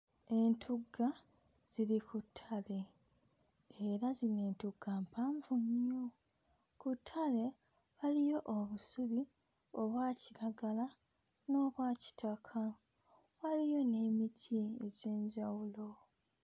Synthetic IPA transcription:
e̞ntʰuɡa | z̥iɾikutʰːale̞ | eɾazine̞ːntuɡaːmpaːɱvuɲjo | kutʰːale̞ | βalijo̞ʔoβusuβi | o̞βwaːciɾaɡala | no̞ːβwaːci̥tʰakʰa | walijo̞ne̞mitʰie̞ɟe̞ːɲɟawulo̞

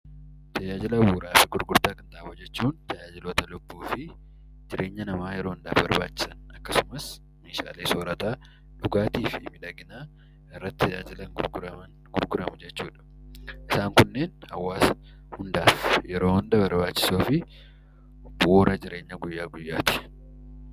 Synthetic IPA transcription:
t̪ʰɐd͡ʒaːd͡ʒɪlɐbuːɾaːfɪɡʊɾɡʊɾt̪aːkɐnt̪aʔːbʊd͡ʒɛt͡ʃːuːnt̪ɐjaːd͡ʒɪlo̞ːt̪ɐlʊbːuːfɪ | d͡ʒɪɾe̞ːɲːɐnɐmaːjɛɾoːhʊnd̪aːfbɐɾbaːt͡ʃːɪ̥sɐnɐkːɐsʊmɐs | meːʃa̰ːleːsoːɾɐt̪aː | ᶑʊɡaːt̪iːfɪmɪᶑɐɡɪnaː | ɪrːɐt̪ːɐd͡ʒaːd͡ʒɪlɐŋɡɾɡʊɐn | ɡ̥ʊɾɡʊɾɐmʊd͡ʒɛt͡ʃːuːᶑɐ̥ | ʔɪsaːŋkʊnːe̞ːnhɐwːaːs | hʊnd̪aːfjɛɾo̞ːhʊnd̪ɐbɐɾbaːt͡ʃːɪ̥soːfɪ | boːɾɐd͡ʒɪɾe̞ːɲːɐɡʊjːaːɡʊjːa̰ːt̪ɪ̥

